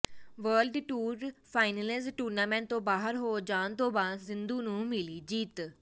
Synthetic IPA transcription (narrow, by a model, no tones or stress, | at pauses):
ʋəːlɖʈuːɾpʰaːɪnəlɪzʈuːɾnaːmɛ̃ːɳʈ̚t̪õːbaːɦəɾɦoːd͡ʒaːnt̪õːbaːzɪnd̪uːnũːmɪliːd͡ʒiːt̪